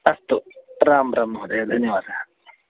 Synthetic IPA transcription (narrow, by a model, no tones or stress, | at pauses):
ɐst̪uɾaːmɾɐmuɦud̪ed̪ʱɐnjɐʋaːd̪ʱa